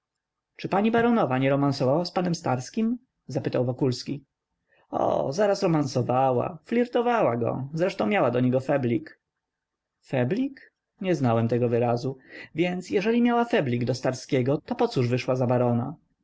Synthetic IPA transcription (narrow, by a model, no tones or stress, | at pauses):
t͡ʂɘpaɲibaɾɔnɔvaɲɛɾɔmansɔvawaspanɛmst̪aɾskʲim | zapɘt̪awvɔkulskʲi | ɔ̰zaɾasɾɔmansɔvawa̰flʲiɾt̪ɔvawaɡɔ̰zɾɛʂt̪ɔ̃w̃mjawad̪ɔɲɛɡɔfɛblʲik | fɛblʲik | ɲɛznawɛmt̪ɛɡɔvɘɾazuvʲjɛnt̪sjɛʐɛlʲimʲjawafɛblʲiɡd̪ɔst̪aɾskʲɛɡɔt̪ɔpɔt̪suʐvɘʂwazabaɾɔna̰